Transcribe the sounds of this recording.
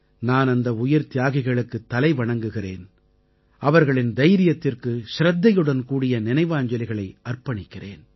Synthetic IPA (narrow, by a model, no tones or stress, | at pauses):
naːnɐnd̪ɐʊjɪɾt̪ɪjaːɣɪɣɐɭɯkːɯt̪ːɐlɐɪʋɐɳɐŋɡɯɣɪrḛːn | ɐʋɐɾɣɐɭɪnd̪ɐjɾɪjɐt̪ːɪrkɯsɪɾɐd̪ːɐjɯɽɐnkuːɽɪjɐnɪnɐɪʋaːɲd͡ʒɐlɪɣɐɭɐɪɐrpɐɳɪkːɪrḛːn